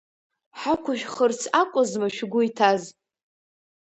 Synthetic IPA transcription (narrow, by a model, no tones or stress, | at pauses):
ħakʷʰʊʃᶣχərt͡sʰakʷʼʊzmaʃᶣɡʷʊitʰaz